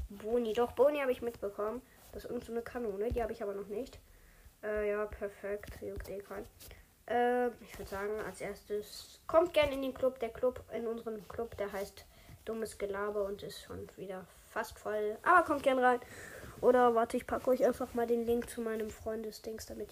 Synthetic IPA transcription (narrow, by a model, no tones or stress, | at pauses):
boːnidɔχb̥oːnihaːbəɪçmɪtb̥əkʰɔmən | d̥ḁsɪsʔɪɐɡŋ̩tz̥oːnəkʰanoːnədiːhaːbəɪçaːbɐnɔχnɪçt | ʔɛːjaːpʰɛɐfɛktjokd̥eːkʰan | ʔɛːɪçv̥ʏdəz̥aːɡŋ̩a̰lsʔeːɐstəskʰɔmt̚ɡ̥ɛɐnɪndeːnklʊp̚d̥eːɐkl̥ʊpɪnʔʊnzəʁəmkʰlʊpd̥eːɐɦaɪst | d̥ʊməsɡ̥əlaːbɐʊntɪstʃo̰ːnv̥iːdɐ | fastfɔlʔa̰ːbɐkʰɔmt̚ɡ̥ɛɐnəʁaɪnʔoːɾɐvaɐtəɪçpʰakəɔʏçʔaɪnfaχmaːldeːnlɪŋkt͡sumaɪnəmfʁ̥ɔʏndəsd̥ɪŋsd̥amɪt